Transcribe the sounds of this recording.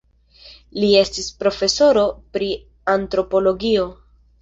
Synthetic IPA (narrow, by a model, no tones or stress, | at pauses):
lie̞stispɾo̞fe̞so̞ɾo̞pɾi | antɾo̞po̞lo̞ɡio̞